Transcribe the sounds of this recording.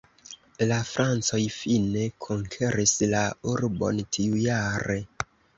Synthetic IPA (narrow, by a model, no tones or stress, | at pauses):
lafɾant͡so̞jfine̞kʰoŋkʰeɾislauɾbo̞̰ntʰiujaɾe̞